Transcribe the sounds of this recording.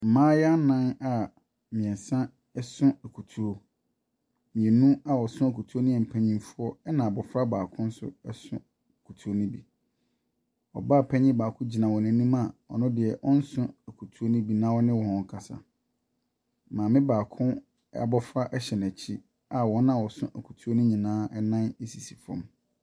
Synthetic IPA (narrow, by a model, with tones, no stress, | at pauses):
m̩˨mãː˦jɛ˦a˦nã˦na˨ | mĩ˨ɛ̃˨n˨sã˦ | ɛ˦sʊ̃˦æ˨kʰu˨tʰu˨ɾo˦ | mĩ˨ɛ˨nũ˦a˨wɔ˨sʊ̃˦a˨kʰu˨tʰu˦o˦nĩ˦ɛ˨m̩˨pʰæ˦ɲĩ˦fʊ˦ɔ˦ɛ˦nã˨bɔ˨fɾa˦baː˨kʰʊ̃˦n̩˦sʊ̰˦ɛ˦sʊ̰̃˦˨ | kʰu˨tʰu˨o˦nĩ˦bi˨ | ɔ̰˨ba˦˨pʰæ˦ɲĩ˦baː˨kʰʊ̃˦d͡ʑi˨nã˨wɔ̃˨nɪ̃˨˦nĩ˦ma˦˨ɔ̰˨nʊ̃˦dɪ˨ɛ˨ʔɔ˦n̩˦sʊ̃˦æ˨kʰu˨tʰu˦o˦nʊ̃˦bi˨nã˦wɔ˦nɪ̃˦wɔ̃˨hɔ̃˨ŋ̩˨kʰa˨sa̰˨ | mãː˨mɪ̃˦baː˨kʰʊ̃˦ | a˨bɔ˦fɾa˦ʔɛ˦ɕɛ˨næ˨t͡ɕʰi˦ | a˨wɔ̃˨˦nã˦˨wɔ˨sʊ̰̃˦ʔæ˨kʰu̥˨tʰu˦o˦nʊ̃˦ɲĩ˨nãː˦ɛ˦nã˦ne˦si˨si̥˨fɔ̰̃˨m